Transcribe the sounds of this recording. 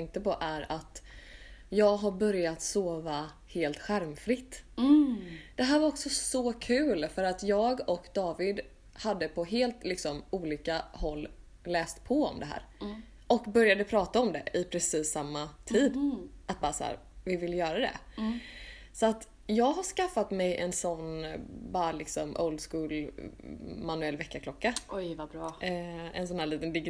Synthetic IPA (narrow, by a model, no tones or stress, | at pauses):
ɛŋk̚t̪əpʰɔʔæɾat̪ | jɑːɡɦaɾbœɾjat̪soːva | heːlt̪ɧæɾmfɾɪt̪ː | d̪̥ɛɦæːɾvaɾɔksɔsɔkʰʉ̟ːlfœɾat̪jɑːɡɔkd̪ɑːvɪd̪ | had̪ːəpʰɔɦeːlt̪lɪksɔmuːliːkahɔlː | lɛːst̪pʰɔɔmd̪ɛɦæ̰ːɾ | ɔkbœɾjad̪əpʰɾɑːt̪aɔmd̪ɛʔɪpʰɾɛsiːsːamːat̪ʰiːd̪at̪̚bɑːɾsæ̰ːɾ | vɪvɪljœːɾad̪ɛ̰ | sɔat̪ | jɑːɡɦaʂkafːat̪mɛjʔɛ̰nsɔnːbɑːɾalɪksɔmʔo̰ʊld̪skuːl | manʉɛlːvɛkːakʰlɔkːaɔjvabɾɑːɛ̰ns̬ɔnhæːɭiːt̪ənd̪ɪɡ